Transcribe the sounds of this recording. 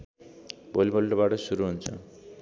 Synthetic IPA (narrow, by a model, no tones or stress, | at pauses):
bolibolʈobaʈʌsuɾuɦunt͡sʰʌ̰